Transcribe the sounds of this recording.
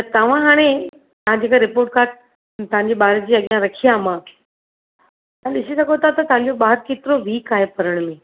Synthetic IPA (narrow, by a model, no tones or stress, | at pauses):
t̪ɐt̪ɐʋ̤ãɦaːɽ̃e | t̪ɐʋ̤ãd͡ʑeːkaɾɪpoːɾʈ̚kaːʈ | t̪ɐʋãɲd͡ʑeɓaːɾd͡ʑiːɐɠjãɾɐkʰijamãː | t̪ɐ̃ɗɪsisɐɡot̪ʰat̪ɐt̪ɐʋ̤ãɲ̆d͡ʑoɓaːɦəɾkeːt̪ɪɾoʋiːkaːɦepɐɾəɽ̃mẽ